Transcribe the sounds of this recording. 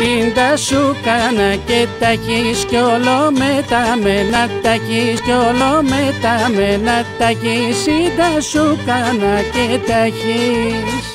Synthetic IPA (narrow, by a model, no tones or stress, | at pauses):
ind̪aʃukanaket̪akiskolomet̪amenat̪aʝiskolomet̪amenat̪akisid̪aʃukanaket̪aʝi